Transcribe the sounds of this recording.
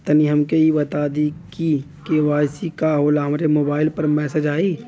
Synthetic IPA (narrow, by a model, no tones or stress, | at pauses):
t̪ɐniɦɐmkeibɐt̪aːd̪iki | keʋaːjsikaɦoːlaɦɐmɾemoːbaːɪlpɐɾmɛːsed͡ʒaːiː